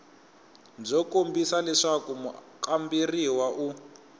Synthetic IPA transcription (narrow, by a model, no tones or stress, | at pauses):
nd͡zɔkombisalɛʂakumu | kʼambiriwaʔu